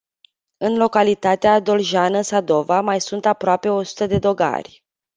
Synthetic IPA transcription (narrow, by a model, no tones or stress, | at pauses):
ɨnlo̞kalit̪at̪ead̪o̞lʒanəsad̪o̞vamajsunt̪apɾoape̞o̞su̥t̪əd̪e̞d̪o̞ɡa̰rʲ